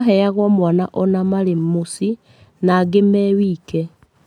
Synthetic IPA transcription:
ɦɛaɣwɔmwanaʔɔnamaɾemosi | naːɡemɛwiːkɛ

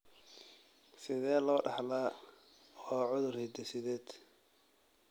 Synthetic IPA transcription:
sɪðɛːlɔːɖɑħlaː | waːʕʊðʊrhɪd̪ɛsɪðɛːd̪̥

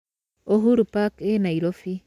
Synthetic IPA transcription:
oɦuɾupakenaiɾofi

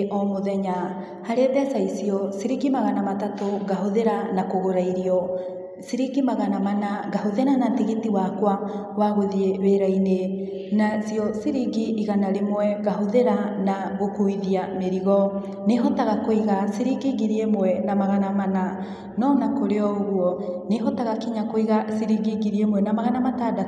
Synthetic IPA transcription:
ʔɔmoðɛɲa | haɾetɛsaisiɔsiɾiɡimaɣanamatatoɡaɦoðeɾanakoɣoɾaiɾiɔ | siɾiɡimaɣanamanaɡahoðenanatiɣitiwakwa | waɣoðieweɾaine | nasiɔsiɾiɡiʔːɣanaɾemwɛɣaɦoðeɾanaɣokuiðiameɾiɣɔ | neɦɔtaɣakoiɣasiɾiɡiɣiɾiemwɛnamaɣanamana | nɔnakoɾeɔoɣwɔneɦɔtaɣakiɲakoiɣasiɾiɡiɡiɾiemwɛnamaɣanamatada

